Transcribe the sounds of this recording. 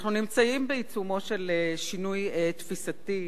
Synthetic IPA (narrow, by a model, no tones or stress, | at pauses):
χnunimt͡saimbeit͡sumo̞ʃeleʃinujet̪fisat̪i